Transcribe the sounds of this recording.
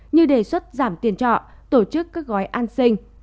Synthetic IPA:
ɲɨ˧ɗe˨˩swə˦˥t̚zaː˧˩mt̪i˧˩ənt͡ɕɔ̰˧˨ | t̪o˧˩t͡ɕɨ˦˥kːaː˦˥k̚ɣɔ˨˦jʔaː˧nsï˧ŋ̟

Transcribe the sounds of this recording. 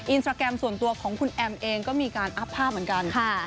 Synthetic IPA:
ʔi˧nsaː˧kɛ˧msu˨˩nt̪u˧ɐkʰɔː˩˦ŋkʰu˧nʔɛ˧mʔeː˧ŋkɔː˥˩miː˧kaː˧nʔa˦˥pʰːaː˥˩p̚m˩˦nka˧nkʰa˥˩

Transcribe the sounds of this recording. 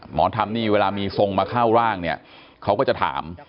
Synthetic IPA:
mɔ̰ː˩˦nt̪ʰa˧mniː˥˩weː˧laː˧miː˧so˧ŋmaː˧kʰaː˥˩wɾaː˥˩ŋni˥˩ɐ | kʰa˦˥wkɔː˥˩t͡ɕa˨˩t̪ʰa̰ː˩˦m

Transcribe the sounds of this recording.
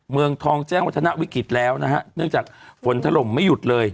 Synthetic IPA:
mɯ˧əŋt̪ʰɔː˧ŋt͡ɕɛː˥˩ŋwa˦˥t̪ʰːa˧na˦˥ʔwi˦˥kɾi˨˩t̪̚lɛː˦˥wna˦˥kʰa˦˥ʔnɯ˥˩əŋt͡ɕaː˨˩k̚fo˩˦nt̪ʰa˧lo˨˩mːa˥˩jːu˨˩t̪̚lɤː˧j

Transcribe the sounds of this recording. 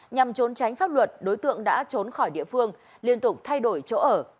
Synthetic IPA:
ɲa˨˩mt͡ɕo˨˦nt͡ɕa˨˦jŋ̟faː˦˥p̚lwə˨˩t̚ɗo˨˦jt̪ɨ̰˧˨əŋɗa̰ː˧˥t͡ɕo˨˦nxɔ˧˩jɗḭ˧˨əfɨ˧əŋ | li˧ənt̪ʊ˨˩k͡p̚t̪ʰa˧jɗo˧˩jt͡ɕo̰˧˥ʔəː˧˩

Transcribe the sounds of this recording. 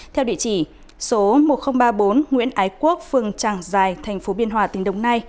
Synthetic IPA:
t̪ʰɛ˧wɗḭ˧˨t͡ɕi˧˩ | so˨˦mo˨˩t̚xə˧wŋ͡mɓaː˧ɓo˨˦nŋwḭ˧˥ənʔaː˨˦jku˦˥ək̚fɨ˧˩əŋt͡ɕaː˧˩ŋzaː˨˩jt̪ʰɛ˨˩ŋ̟fo˨˦ɓi˧ənɦwaː˧˩t̪ï˨˦ŋ̟ɗə̰˧˨wŋ͡mna˧j

